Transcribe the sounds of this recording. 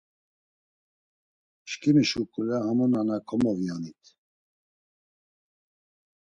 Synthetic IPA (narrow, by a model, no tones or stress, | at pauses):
ʃkiməʃukʼulahamɔnanakʰɔmɔvjanit̪ʰ